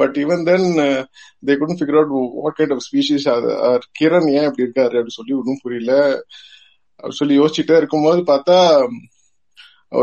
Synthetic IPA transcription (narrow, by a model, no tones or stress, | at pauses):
bɐʈːɪʋɐnd̪ɛn | d̪eːkʊɽũfɪɡɐɾɐʊʈʋɔ̰ʈkɐ̃ɪ̃ɳɖɔʋspiːʃisɐ̰ɐɾkɪɾɐnjẽːɐpːɐɽiɪɾɯkːaːɾɯɐpːɐɽĩsɔlːikʊɽũpʊɾɪjlɐ | ʔɐ̰pːɐɽisɔlːijoːsɪt͡ʃːɪʈːeɪɾɯkːɯmpoːðɯpaːɾt̪aː